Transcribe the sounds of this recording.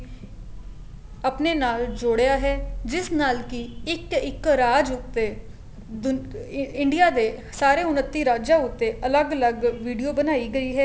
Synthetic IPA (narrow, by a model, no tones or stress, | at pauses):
əpneːnaːld͡ʒoːɽejaːɦɛːd͡ʒɪsnaːlkiɪkɪkɾaːd͡ʒʊt̪ːeː | d̪ʊɪɳɖɪjaːd̪eː | saːɾeːʊnət̪ːiːɾaːd͡ʒaːʊt̪ːeːʔələɡələɡʋiːɖijoːbənaːiːɡəiːɦɛː